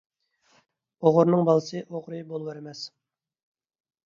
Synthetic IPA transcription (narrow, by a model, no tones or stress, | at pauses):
oʁʊɾnɨŋbɑlˠəsɨʔoʁɾɨjbolˠwɛɾɪmɛs